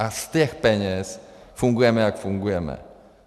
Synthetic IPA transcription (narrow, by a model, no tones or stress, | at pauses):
ast̪ɘxpʲɛɲɛsfuŋɡujɛmɘjakfuŋɡujɛmɘ̰